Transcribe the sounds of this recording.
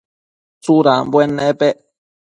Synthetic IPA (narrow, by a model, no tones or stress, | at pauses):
t͡suɾabwenẽpe